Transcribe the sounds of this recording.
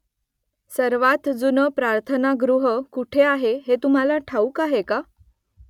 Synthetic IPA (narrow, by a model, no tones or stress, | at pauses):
səɾʋat̪d͡zunəpɾaɾt̪ʰənaɡɾuɦəkuʈʰeaɦeɦet̪um̤alaʈʰaukaɦeka